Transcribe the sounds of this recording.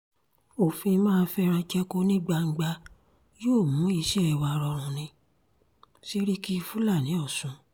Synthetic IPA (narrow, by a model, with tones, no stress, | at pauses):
o˦˨fĩ˧mãː˦˧n̩˧˦fɛ˦ɾ̃ã˧d͡ʒɛ˦ko˦nĩ˦ɡ͡ba˧ŋ̩˧ɡ͡ba˧ | joː˦˨mũ˨˦i˨˧˦ʃɛ˦ɛ˨wa˨˧ɾɔ˧ɾ̃ũ˨˧nĩ˧ | ʃi˦ɾi˦ki˦i˧fu˦la˦˨nĩ˨˦ɔ˦˨sũ˨˦